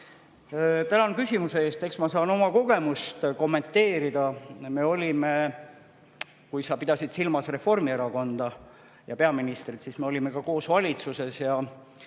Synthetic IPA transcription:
t̪ænɑnkysʲimuse̞e̞ːst̪e̞ksmɑsɑːno̞mɑko̞ɡ̥e̞must̪ko̞mːe̞nt̪ːe̞ːɾid̪̥ɑme̞o̞lʲime̞ | kujsɑpid̪̥ɑsid̪̥silmɑsre̞fo̞rmieɾɑko̞nd̪̥ɑ | jɑpe̞ɑminist̪rid̪sisme̞o̞lʲime̞kɑko̞ːsvɑlʲit̪suse̞sjɑ

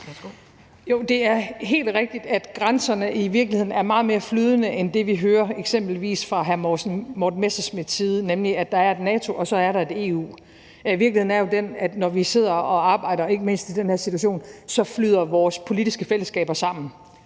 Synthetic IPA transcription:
jo̝d̥e̝æɐɦe̝̰ːld̥ʁɛɡ̥̚d̥id̥æd̥ɡ̥ʁansɐnəʔiʋiɐɡ̥lihe̝ð̰ˠnæɐmɑ̈ːð̞̩ˠme̝ːɐflyːð̞ˠənəʔend̥e̝ʋiɦøːɐeɡ̥sem̰b̥l̩ʋḭːsfʁɑ̈ɦæɐnmɒd̥n̩mesɐsmið̥ˠsiːð̞ˠənemliæd̥ɑ̈æɐe̝d̥nɛːt͡sʰo̝ʔɒ̽sɒ̽æɐɾɑ̈e̝d̥e̝̰ːṵː | iʋiɐklihe̝ðˠnæɐjo̝d̥enæd̥nɒʋise̝ð̞̰ˠɐɒ̽ɑ̈ːb̥ɑ̈ɪ̰ɾɐe̝ɡ̥əme̝n̰sd̥id̥enheɐ̰sit͡sʰuæɐɕo̝̰ːnsɒ̽flyð̞̰ˠɐʋɒːspʰo̝lidisɡ̥əfel̰əsɡ̥ɛ̰ːb̥ɐsɑ̈m̰n̩

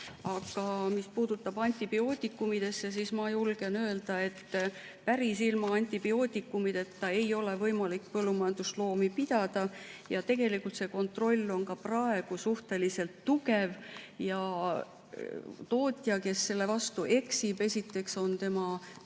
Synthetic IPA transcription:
ɑɡ̥ɑmispuːd̪̥ut̪ːˑɑb̥ɑnʲt̪ʲˑib̥io̞ːt̪ʲˑikːˑumid̪̥e̞sːes̬ismɑjulɡ̥e̞nøe̞ld̪̥ɑe̞t̪ː | pæɾisilmɑɑnʲt̪ʲˑib̥io̞ːt̪ʲikːˑumid̪̥e̞t̪ːɑe̞jo̞le̞vɤ̞jmɑlikpɤlːumɑjɑnd̪̥uslo̞ːmipid̪̥ɑd̪̥ɑjɑt̪e̞ɡ̥e̞likːˑult̪se̞ko̞nt̪ro̞lʲːo̞nkɑprɑe̞ɡ̥usuht̪e̞lise̞lt̪ːuɡe̞vjɑ | t̪o̞ːt̪ʲˑjɑke̞sːe̞lːe̞vɑst̪uʔe̞ksibe̞sit̪ːˑe̞kso̞nt̪e̞mɑ

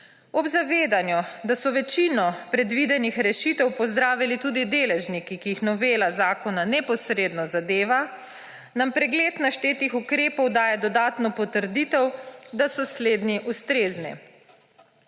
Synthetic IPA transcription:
ɔbzaʋeːd̪anjud̪asɔʋɛt͡ʃinɔpɾɛd̪ʋid̪ɛnixɾɛʃit̪ɛwpɔzd̪ɾaːʋilit̪uːd̪id̪eːlɛʒnikikiixnɔʋeːlazaːkɔnanɛpɔsɾeːd̪nɔzad̪eːʋa | nampɾɛɡleːt̪naʃt̪eːt̪ixukɾeːpɔwd̪aːjɛd̪ɔd̪aːt̪nɔpɔt̪əɾd̪it̪ɛwd̪asɔsleːd̪niʔust̪ɾeːznḭ

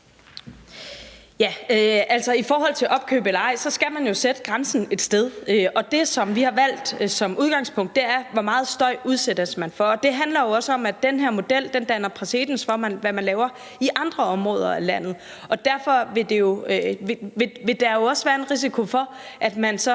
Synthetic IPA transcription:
jæøʔæl̰sɒ̽ifɒːɦɒ̽l̰t͡sʰe̝lʔɒ̽b̥kʰø̰ːb̥elɐɑ̈ɪ̰sɒ̽sɡ̥æmænjo̝sed̥əɡ̥ʁɑ̈nsn̩e̝d̥sd̥eð̞ˠøʔɒ̽d̥e̝sɒ̽mʋihɑ̈ʋæl̰d̥sɒ̽muðˠɡ̥ɑ̈ŋspʰɔ̽ŋ̰d̥ːe̝æɐʋɒmɑ̈ːð̞̩ˠsd̥ɒ̽ɪ̰uð̞ˠsed̥ɐsmænfɒːd̥e̝ɦænlɐjo̝ɒ̽səɒ̽mæd̥enɦeɐ̰mo̝d̥el̰d̥end̥ænɐpʰʁase̝̰ːd̥n̩sfɒ̽mʋæmænlɛːʊɐ | iʔɑ̈nd̥ʁɐɒ̽mʁɔ̽ːð̞ˠɐælæn̰ð̞̩ˠ | ɒ̽d̥æɐfɒ̽ʋe̝d̥e̝jo̝ʋeʋe̝ʋe̝d̥ɑ̈jo̝ɒ̽sʋæːɐe̝nʁis̬ikʰo̝fɒ̽ | ʔæd̥mænsɒ̽

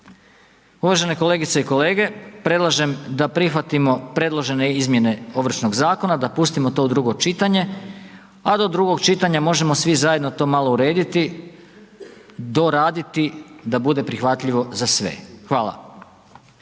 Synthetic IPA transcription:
uʋaʒe̞neko̞le̞ːɡit̪se̞iko̞leːɡe̞pɾe̞dlˠaʒe̞md̪apɾixʋat̪imo̞pɾe̞d̪lˠo̞ʒe̞ne̞izmje̞ne̞o̞ʋr̩ʃno̞ɡzaːko̞nad̪apust̪imo̞t̪o̞d̪ɾuɡo̞t͡ʃit̪aɲe̞ | ad̪od̪ɾuɡo̞ɡt͡ʃit̪aɲamo̞ʒe̞mo̞sʋizaje̞d̪no̞t̪o̞ːmalˠo̞uɾe̞ːd̪it̪i | d̪o̞ɾaːd̪it̪id̪abud̪e̞pɾixʋat̪ʎiʋo̞zasʋḛxʋaːlˠa̰

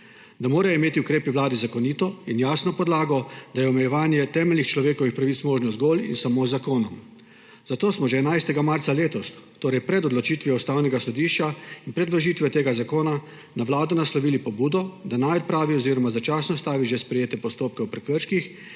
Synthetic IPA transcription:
d̪amoːɾaimeːt̪iukɾeːpiʋlaːd̪izakɔniːt̪ɔinjaːsnɔpɔd̪laːɡɔd̪ajɛɔmɛjɛʋaːnjɛt̪ɛːmɛlnixt͡ʃlɔʋeːkɔʋixpɾaʋit̪smoːʒnɔzɡoːlḭnsamoːzakoːnɔm | zat̪oːsmɔʒɛɛnajst̪ɛɡamaɾt̪saleːt̪ɔst̪oːɾɛjpɾɛd̪ɔd̪lɔt͡ʃiːt̪ʋiɔst̪aːwnɛɡasɔd̪iːʃt͡ʃainpɾɛd̪ʋlɔʒiːt̪ʋjɛt̪eːɡazakoːna | naʋlaːd̪ɔnaslɔʋiːlipɔbuːd̪ɔd̪anajɔt̪̚pɾaːʋiɔziːɾɔmazat͡ʃaːsnɔst̪aːʋiʒɛspɾɛjeːt̪ɛpɔst̪oːp̚kɛwpɾɛkəɾʃkix

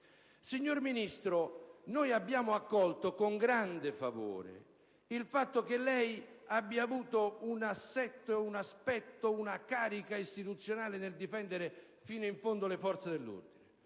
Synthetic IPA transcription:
siɲːorminist̪ɾʊnojabːjaːmʊakːɔlt̪okoŋɡɾand̪ɪfavo̰ːɾɪ̰ | ilfat̪ːʊkɪlːɛjabːjaːvuːt̪ounasːɛt̪ːoeunaspɛt̪ːʊunakaːɾikaist̪it̪ut̪sːjonaːlɪneld̪ifɛnd̪ɪɾɪ | fiːnoiɱfond̪ʊlɪfɔɾt̪sed̪elːṵrd̪inɪ

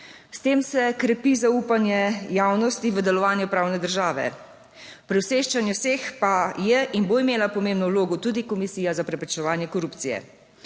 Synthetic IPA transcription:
st̪eːmsɛkɾɛpizauːpanjɛjaːwnɔst̪iʋəd̪ɛlɔʋaːnjupɾaːwnɛd̪əɾʒaːʋɛ̰ | pɾɛwseːʃt͡ʃanjɛwseːxpajɛʔinboimeːlapɔmẽːmbnɔwloːɡɔt̪uːd̪ikɔmisiːjazapɾɛpɾɛt͡ʃɛʋaːnjɛkɔɾuːpt̪sijɛ̰

